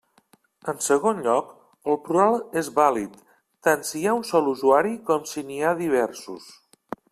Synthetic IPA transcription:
ənsəɣ̞onʎɔk | əlˠpɾualˠezβalit̪ː | ansiaunsɔluzuaɾikɔmsiniaðiβ̞ɛɾsṵs

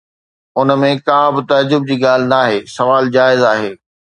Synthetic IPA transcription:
ʊnəmẽkãːbɪt̪ɐd͡ʑʊb̚d͡ʑiːɠaːl̤ɪ̆naːɦeːsɐʋaːld͡ʑaːɪzaːɦeː

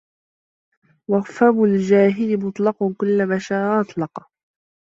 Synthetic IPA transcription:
wɑɣfabʊld͡ʒaːɦɪlɪmʊt̪ˤlɑqɑkʊlːamaʃaːɾʔɑt̪ˤlɑqɑ

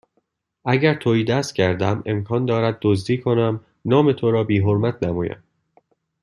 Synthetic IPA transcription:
ʔæɟæɾt̪ʰoːiːd̪æst̪̚cʰæɾd̪æmemkʰɒːnd̪ɒːɾæd̪̚ːozd̪iːkʰo̞næm | nɒːme̞t̪ʰoɾɒːbiːɦoɾmæt̪ʰnæmɒ̰ːjæ̰m

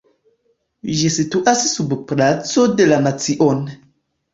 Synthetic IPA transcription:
ʒisituʔassubplat͡sodelanat͡siʔon

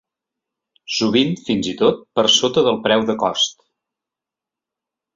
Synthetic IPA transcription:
suβ̞iɱfinzit̪ot̪̚pəɾsot̪əðəlˠpɾɛwðəkɔst̪

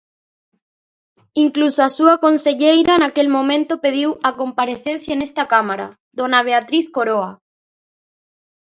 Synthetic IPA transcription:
iŋklusoasuakonseʎejɾanakelmõmẽnt̪opeðiwakompaɾeθẽnθjaenest̪akamaɾa̰ | d̪onaβeat̪ɾiθkoɾoa

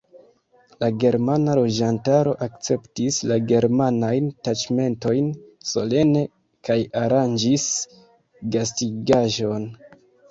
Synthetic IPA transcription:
laɡe̞ɾmanalo̞d͡ʒantaɾo̞ʔakt͡se̞ptislaɡe̞ɾmanajntad͡ʒme̞nto̞jnso̞le̞ne̞ | kajaɾand͡ʒis | ɡastiɡaʒo̞n

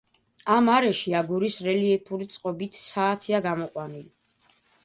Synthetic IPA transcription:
amaɾɛʃiaɡuɾisɾɛliɛpʰuɾit̪sʼqʼɔbit̪ʰsaːt̪ʰiaɡamɔqʼwanili

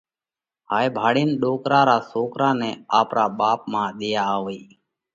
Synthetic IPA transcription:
haːjbʱaːɽiːnɗoːkɾaːɾaːsoːkɾãːnɛːaːpɾaːɓaːp̚mãːɗ̪ijaːɦoːiː

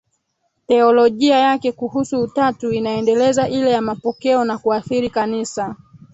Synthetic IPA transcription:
tɛɔlɔʄiajakɛkuhusuːtatuinaɛndɛlɛzaʔilɛjamapɔkɛɔnakuaθiɾikanisa

